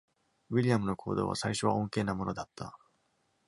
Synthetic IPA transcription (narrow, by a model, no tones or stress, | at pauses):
βiɾʲijamɯ̟no̞kʰo̞̰ːd̪o̞̰ːβa̰saiɕo̞β̞aõŋke̞ːnamo̞no̞d̪at̪ːa̰